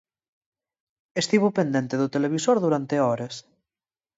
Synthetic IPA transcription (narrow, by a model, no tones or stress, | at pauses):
est̪iβopend̪ɛnt̪eðot̪eleβ̞isoɾðuɾant̪eɔɾes